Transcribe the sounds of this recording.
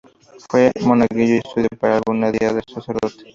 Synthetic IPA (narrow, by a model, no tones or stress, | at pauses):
fwemonakid͡ʑoest̪uðjopeɾalɣuneðiaðesaseɾðot̪e̥